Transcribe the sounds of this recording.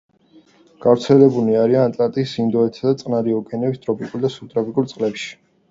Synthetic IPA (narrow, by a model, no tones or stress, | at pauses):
ɡ̥avɾt̪sʰɛlɛbuliaɾianat̪ʼlat̪ʼiːsind̪ɔɛt̪ʰad̪at̪sʼqʼnaɾiɔkʼɛnɛbist̪ʼɾɔpʰikʼuɾd̪asut̪ʼɾɔpʰikʼuɾt̪sʼqʼlɛpʃi̥